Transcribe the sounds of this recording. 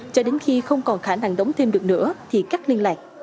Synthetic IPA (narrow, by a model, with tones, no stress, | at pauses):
t͡ɕɔ˧ɗe˨˦nxi˧xə˧wŋ͡mkɔ˨˩nxaː˧˩na˧ŋɗə˨˦wŋ͡mt̪ʰe˧mɗɨ˨˩ək̚nɨ̰˧˥ət̪ʰi˨˩kaː˦˥k̚li˧ənlaː˨˩jk̟̚